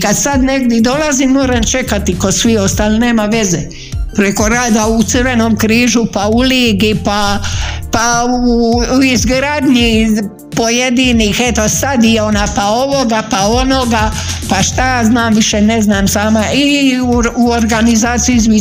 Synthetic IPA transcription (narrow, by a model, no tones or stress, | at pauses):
kad̪sad̪ne̞ɡd̪jid̪o̞lazimːo̞ːɾamt͡ʃe̞kat̪ikosʋio̞st̪aːline̞ːmaʋe̞ze | pɾe̞ko̞ɾaːd̪aut̪sɨɾʋe̞no̞ːmkɾiːʒupauliːɡipapauizɡɾaːd̪ɲi | po̞jed̪iːniːxet̪o̞sad̪ionapao̞ʋo̞ɡapao̞no̞ɡa | paʃt̪ajaːznaːmʋiʃene̞znaːmsaːmai | uoɾɡanizaːt̪siizʋi